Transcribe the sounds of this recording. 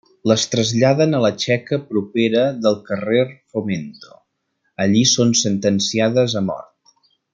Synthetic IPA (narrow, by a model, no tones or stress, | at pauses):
ləst̪ɾəzʎaðənələt͡ʃɛkəpɾupeɾəðəlˠkərerfoment̪o̥̰ | əʎisonsənt̪ənsiaðəzəmɔ̰rt̪̚